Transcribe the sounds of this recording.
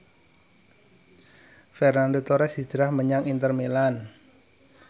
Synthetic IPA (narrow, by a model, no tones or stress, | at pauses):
fɛrnandot̪oɾɛsi̥d͡ʒ̥əɾahməɲaŋint̪ərmelan